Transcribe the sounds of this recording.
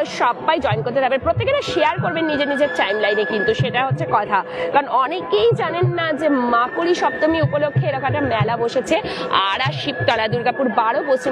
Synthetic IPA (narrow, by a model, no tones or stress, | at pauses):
oʃɔbːajd͡ʑɔenkoɾt̪ed̪abenpɾot̪ːekeɾaʃeaɾkoɾbenːid͡ʑeɾnid͡ʑeɾʈajmlajnekint̪uʃeʈaɦotːɕʰekɔt̪ʰakaɾonɔnekejd͡ʑanenːad͡ʑemakuɾiʃɔb̚t̪omiupolokʰːeeɾɔkomɛk̚ʈamɛlaboʃet͡ɕʰea̰ɽaʃip̚t̪alad̪uɾɡapuɾbaɽobot͡ɕʰe